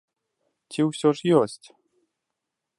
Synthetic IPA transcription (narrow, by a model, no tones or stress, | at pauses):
tʲiwsʲɔʂjɔsʲtʲ